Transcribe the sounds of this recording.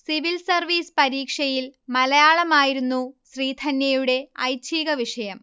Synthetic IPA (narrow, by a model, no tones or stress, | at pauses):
siʋilsɐrʋiːspɐɾiːkʂɐjilmɐlɐjaːɭɐmaːjiɾunːuɕriːd̪ʱɐnjɐjuɽe̞ɐ̰jt͡ɕʰiːɣɐʋiʂɐjɐm